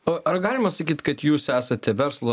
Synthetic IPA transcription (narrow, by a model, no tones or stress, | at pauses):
oɐrɡɑːlʲɪmɐsɐkʲiːt̪kɐt̪juːsæːsɐt̪ʲɛʋʲɛɾslˠoː